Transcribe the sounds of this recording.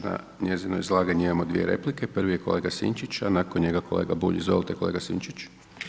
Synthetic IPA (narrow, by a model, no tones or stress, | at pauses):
na̰ | ɲe̞zinojizlˠaːɡaɲiimamo̞d̪ʋḭeɾe̞̰plike̞pr̩ʋijekole̞ːɡasḭnt͡ʃit͡ɕanakonɲe̞ɡakʰo̰leːɡabṵʎiizʋolˠt̪ekole̞ːɡasiːnt͡ʃit͡ʃ